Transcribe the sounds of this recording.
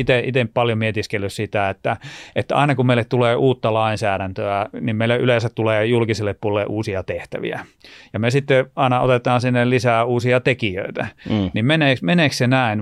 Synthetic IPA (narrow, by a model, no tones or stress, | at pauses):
it̪eʔit̪empɑljomiet̪iskelːyssit̪æet̪ːæet̪ːæɑ̰inɑkummeilet̪t̪uleːʔuːt̪ːɑlɑinsæːɾænt̪øænimmeilæʔylensæt̪t̪uleːjulkiselːeppuolːḛʔuːsiɑt̪eht̪æ̰ʋḭæ̰jɑmesit̪ːeɑinɑo̰t̪et̪ˑɑːnsinːellisæːuːsiɑt̪ekiø̰it̪ænimmeneːkmeneːkssenæin